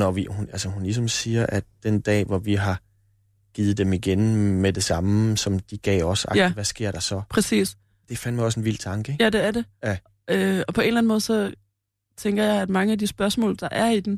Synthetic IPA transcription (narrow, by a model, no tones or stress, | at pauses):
nɒʋihunʔælsəɦunlis̬ɒ̽msiːɐʔæd̥̚d̥end̥ɛ̰ːʋɒʋiɦɑ̈ | ɡ̥iːð̩ˠd̥emiɡ̥enmed̥e̝sɑ̈məsɒ̽md̥iɡ̥ɛ̰ːɒsɑ̈ɡiʋæsɡ̥e̝ɐ̰ɾ̥ɑ̈sɒ̽pʰʁɛsḭːs | d̥e̝fænd̥maɒ̽s̬e̝nʋil̰d̥̚t͡sʰɑ̈ŋɡ̥əeɡjæd̥e̝æɐd̥e̝jæ | øɒ̽pʰɒ̽e̝nlæn̩mɔ̽ːðˠsɒ̽ | t͡sʰeŋ̰ɡ̥ɐjɑ̈ɪæd̥mɑ̈ŋəæd̥isb̥ɶɐsmɔ̰ːld̥ɑ̈ʔæɐid̥em